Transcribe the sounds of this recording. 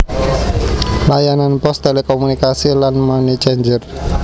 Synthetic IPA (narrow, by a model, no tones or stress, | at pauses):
lajananpɔsd̪alikomunikasilanmɔnit͡ʃeɲd͡ʒər